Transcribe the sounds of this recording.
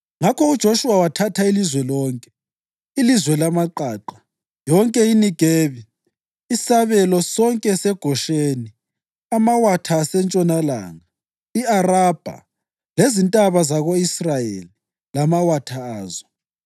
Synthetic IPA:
ŋakʰɔud̥ʒ̥ʱoʃuwawatʰatʰailizwɛlɔːŋkʼɛ | ilizwɛlamaǃaːǃa | jɔŋkʼɛiniɡ̥ʱeːβi | isaβɛlɔsɔŋkʼɛsɛɡ̥ʱɔʃeni | amawatʰaːsɛnt͡ʃʼɔnala̰ːŋa | iarab̥ʱa̰ | lezintʼaβazaɣoisrajḛli | lamawatʰaaːzɔ

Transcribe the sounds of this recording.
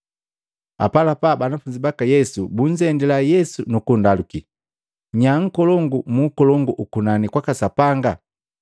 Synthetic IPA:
a̰palapabanafuɲd͡ʒibakajɛsubuɲd͡ʒɛndɛlajɛsunukundaluki | ɲaŋ̩kɔlɔŋɡumukɔlɔŋɡuʔukunanikwakasapaŋɡa

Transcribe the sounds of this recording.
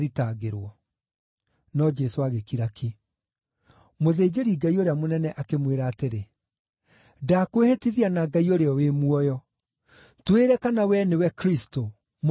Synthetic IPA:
ðitaɣeɾwɔ | nɔd͡ʒɛsoaɣekiɾaki | moðeːd͡ʑeɾiɡaioɾeamonɛnɛʔakemweɾaːteɾe | dakwehetiðianaɡaioɾeɔwemwɔjɔ | tweɾɛkanawɛnewɛkɾisto | m

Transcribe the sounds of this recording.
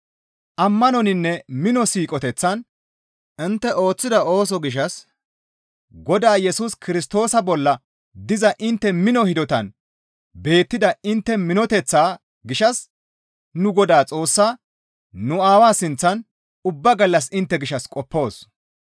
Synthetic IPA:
ʔɐmːɐnɔnɪnːɛmɪnɔsiːkʼɔt̪ɛt͡sːɐn | ɪnt̪ːɛʔo̞ːt͡sːɪd̪ɐo̞ːs̬ɔɡɪʃ̬ɐs | ɡɔd̪aːjɛsuːskɪɾɪst̪o̞ːsɐbɔlːɐ | d̪ɪzɐʔɪnt̪ːɛmɪnɔhɪd̪ɔt̪ɐn | be̞ːt̪ːɪd̪ɐɪnt̪ːɛmɪnɔt̪ɛt͡sːaː | ɡɪʃɐs | nʊɡɔd̪aːt͡sʼo̞ːsːaː | nʊaːwaːsɪnt͡sːɐn | ʊbːɐɡɐlːɐs̬ɪnt̪ːɛɡɪʃɐskʼɔpːo̞ːs

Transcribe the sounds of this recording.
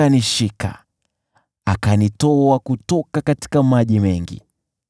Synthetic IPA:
aniʃika̰ | akanitɔakutɔkakati̥kamaʄimɛŋɡḭ

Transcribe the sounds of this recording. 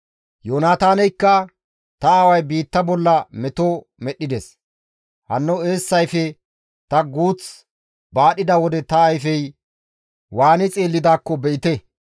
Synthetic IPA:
joːnaːt̪aːnɛjkːɐ | t̪ɐːwɐjbiːt̪ːɐbɔlːɐmɛt̪o | mɛɗːɪd̪ɛs | hɐnːɔeːsːɐjfɛ | t̪ɐɡuːt͡s | baːɗɪd̪ɐwɔd̪ɛt̪ɐːjfɛj | waːnɪt͡sʼeːlːɪd̪aːkːɔbɛʔɪt̪ɛ

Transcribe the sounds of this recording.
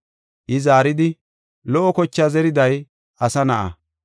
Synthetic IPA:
ʔɪzaːɾɪd̪ɪ | lɔʔɔkɔt͡ʃːazɛɾɪd̪ɐj | ʔɐsɐnɐʔɐ̰

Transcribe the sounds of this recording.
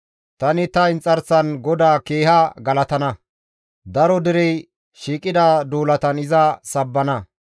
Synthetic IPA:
t̪ɐnɪt̪ɐɪnt͡sʼːɐɾsɐnɡɔd̪aːkeːhɐɡɐlɐt̪ɐnɐ | d̪ɐɾɔd̪ɪɾɛj | ʃiːkʼɪd̪ad̪uːlɐt̪ɐnɪzɐsɐbːɐnɐ

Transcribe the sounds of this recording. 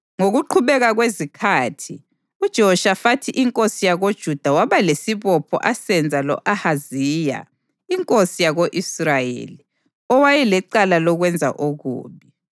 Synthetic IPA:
ŋoɣuǃʰuβɛɣaɣwezikʰaːtʰi | ud̥ʒ̥ʱɔɔʃafatʰiʔiŋkʼosijaɣod̥ʒ̥ʱud̥ʱawaβalesiβɔpʰɔ̰ʔasɛnd͡zʱalɔ̰ʔahaziːja̰ | iŋkʼosijaɣoʔisrajḛli | ɔwajɛlɛǀalalɔɣwɛnd͡zʱa̰ʔoɣṵːβi

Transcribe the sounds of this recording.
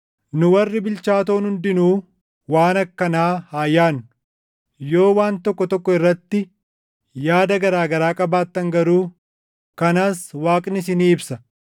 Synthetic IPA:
nʊwɐrːɪbɪlt͡ʃaːt̪oːnhʊnd̪ɪnuː | waːnɐkːɐnaːhaːjːaːn | jo̞ːwaːnt̪ɔkːɔt̪ɔkːɔɪrːɐt̪ːɪ | jaːd̪ɐɡɐɾaːɡɐɾaːkʼɐbaːt̪ːɐŋɡɐɾuː | kɐnaːswaːkʼnɪs̬ɪniːɪbsɐ

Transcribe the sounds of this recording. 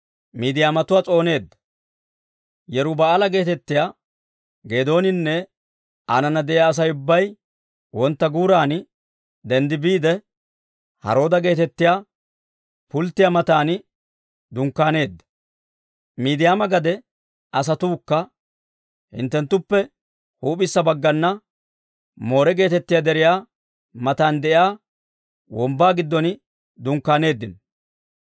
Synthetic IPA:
miːd̪ɪjaːmɐt̪ʊwaːt͡sʼo̞ːne̞ːd̪ːɐ̥ | jɛɾʊbɐːlɐɡe̞ːt̪ɛt̪ːɪjaː | ɡe̞ːd̪o̞ːnɪnːɛ | aːnɐnɐd̪ɛʔaːs̬ɐjʊbːɐj | wɔnt̪ːɐɡuːɾaːn | d̪ɛnd̪ɪbiːd̪ɛ | hɐ̰ɾo̞ːd̪ɐɡe̞ːt̪ɛt̪ːɪjaː | pʊlt̪ːɪjamɐt̪aːn | d̪ʊŋkːaːne̞ːd̪ːɐ̥ | miːd̪ɪjaːmɐɡɐd̪ɛ | ɐs̬ɐt̪uːkːɐ | hɪ̰nt̪ːɛnt̪ːʊpːɛ | huːpʼɪsːɐbɐɡːɐnːɐ | mo̞ːɾɛɡe̞ːt̪ɛt̪ːɪjad̪ɛɾɪjaː | mɐt̪aːnd̪ɛʔɪjaː | wɔmbaːɡɪd̪ːɔnɪ | d̪ʊŋkːaːne̞ːd̪ːɪn

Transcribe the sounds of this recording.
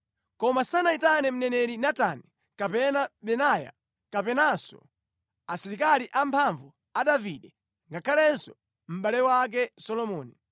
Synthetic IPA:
kɔmasanaitanɛm̩nɛnɛɾinatanɛ | kapɛnaɓɛnaja̰ | kapɛnasɔ̰ | asiɾikaliʔampʰaɱvu | aɗaviɗɛ | ŋɡakʰalɛnsɔ | m̩ɓalɛwak̬ɛsɔlɔmɔːni

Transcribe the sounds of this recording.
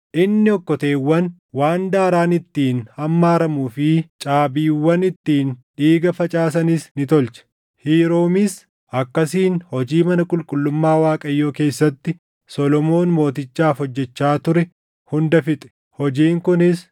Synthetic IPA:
ʔɪnːɪɔkːɔt̪eːwːɐn | waːnd̪aːɾaːnɪt̪ːiːnhɐmːaːɾɐmuːfɪt͡ʃʼaːbiːwːɐnɪt̪ːiːnᶑiːɡɐfɐt͡ʃʼaːs̬ɐnɪsnɪt̪ɔlt͡ʃɐ̥ | hiːɾoːmɪs | ʔɐkːɐsiːnhɔd͡ʒiːmɐnɐkʼʊlkʼʊlːʊmːaːwaːkʼɐjːoːke̞ːsːɐt̪ːɪ | sɔlɔmo̞ːnmo̞ːt̪ɪt͡ʃːaːfɔd͡ʒːɛt͡ʃːaːt̪ʊɾɛ | hʊnd̪ɐfɪt̪ʼɛ̥ | hɔd͡ʒiːŋkʊnɪs

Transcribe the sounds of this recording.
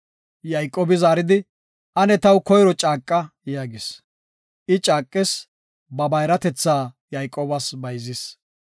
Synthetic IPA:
jɐjkʼːoːbɪzaːɾɪd̪ɪ | ʔɐnɛt̪ɐwkɔjɾɔt͡ʃʼaːkʼːɐjaːɡɪs | ʔɪt͡ʃʼaːkʼːɪs | bɐbɐjɾɐt̪ɛt͡sːaː | jɐjkʼːoːbɐsbɐjzɪs

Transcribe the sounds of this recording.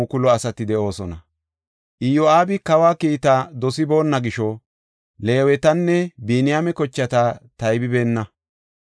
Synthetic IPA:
ukʊlɔɐsɐt̪ɪd̪ɛʔo̞ːsɔnɐ | ʔɪjɔaːbɪkɐwaːkiːt̪ad̪ɔsɪbo̞ːnːɐɡɪʃɔ | le̞ːwɛt̪ɐnːɛbiːnɪjaːmɛkɔt͡ʃːɐt̪at̪ɐjbɪbe̞ːnːɐ

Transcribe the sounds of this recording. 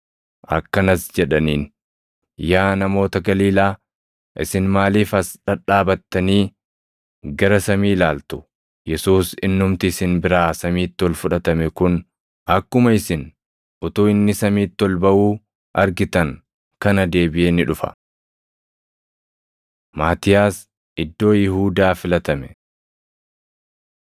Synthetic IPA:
ʔɐ̰kːɐnɐsd͡ʒɛᶑɐniːn | jaːnɐmo̞ːt̪ɐɡɐliːlaː | ʔɪ̰sɪnmaːliːfɐsᶑɐᶑaːbɐt̪ːɐniː | ɡɐɾɐsɐmiːlaːlt̪ʊ | jɛsuːsɪ̰nːʊmt̪ɪːsɪnbɪɾaːsɐmiːt̪ːɔlfʊᶑɐt̪ɐmɛkʊn | ɐkːʊmɐɪsɪn | ʔʊt̪uːɪnːɪsɐmiːt̪ːɔlbɐʔuː | ʔɐɾɡɪt̪ɐŋ | kɐnɐd̪e̞ːbɪʔeːnɪᶑʊfɐ̰ | maːt̪ɪjaːs | ʔɪd̪ːo̞ːjɪhuːd̪aːfɪlɐt̪ɐmɛ

